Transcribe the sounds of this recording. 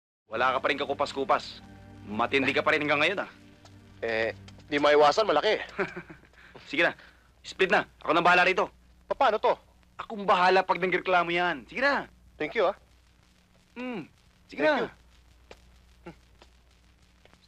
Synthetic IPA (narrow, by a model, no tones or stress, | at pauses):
wɐlaːkɐpɐɾɪnkɐkʊpɐskuːpasmɐt̪ɪnd̪ɛkɐpɐɾɪnhɐŋɡɐŋːɐjo̞na | ʔɛnd̪imɐʔɪwaːsɐnmɐlɐkɛ | sɪɡɪna | splɪt̪̚naʔɐ̰ko̞nɐbɐhaːlɐɾiːt̪o̞ | pɐpaːnot̪o̞ | ʔɐkoŋbɐɦaːlɐpɐɡ̚nɐŋɾɛklaːmojansɪɡɪna | t̪ɛŋkjua | sɪɡna